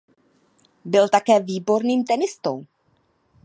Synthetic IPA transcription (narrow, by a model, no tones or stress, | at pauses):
bɪlt̪akɛːviːbo̞ɾniːmt̪ɛnɪst̪o̰w